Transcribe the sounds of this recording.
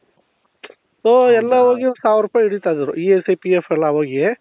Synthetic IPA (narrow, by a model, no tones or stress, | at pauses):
soːɛlːaɦoːɡisaːʋɾuːpaːjiɽit̪ajd̪iɾṵʔiesɐjpiefɛlːaɦoːɡie